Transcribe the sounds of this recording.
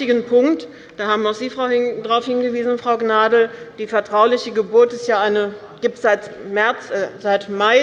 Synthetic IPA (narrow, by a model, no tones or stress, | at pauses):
tɪɡənpʰʊŋkt | d̥aːhaːbmʊxz̥iːfʁ̥aʊɪdʁaʊfhɪnɡəviːzn̩fʁ̥aʊɡnaːdl̩d̥iːfɛɐtʁ̥aʊlɪçəɡəbʊɐtɪstjaːʔaɪnə | ɡ̥iːptz̥aɪtmɛɐt͡sʔɛzaɪtmaɪ